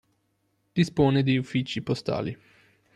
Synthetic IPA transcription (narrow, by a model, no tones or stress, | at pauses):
d̪̥ispoːned̪iufːit͡ʃipost̪a̰ːlḭ